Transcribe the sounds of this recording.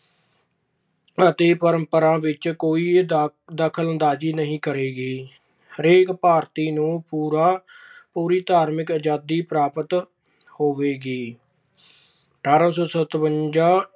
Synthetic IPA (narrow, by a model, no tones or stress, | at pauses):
ət̪eːpəɾəmpəɾãːʋɪt͡ʃkoːiːd̪əkʰələnd̪aːd͡ʒiːnəɦĩːkəɾeːɡiː | ɾeːkpaːɾt̪iːnũːpuːɾaːpuːɾiːt̪aːɾmɪkəd͡ʒaːd̪iːpɾaːpət̪ | hoːʋeːɡiː | ʈaːɾə̃ːsosət̪ʋəɲd͡ʒaː